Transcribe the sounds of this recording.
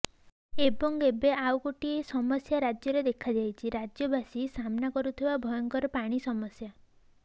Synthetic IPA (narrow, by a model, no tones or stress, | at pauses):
ebɔŋɡebeʔawkoʈiesɔmɔsjaɾad͡ʒjɔɾed̪ekʰad͡ʒajt͡ʃʰiɾad͡ʒjɔbʱasisamnakɔɾut̪ʰibabʱɔjɔŋkɔɾɔpaɽ̃isɔmɔsja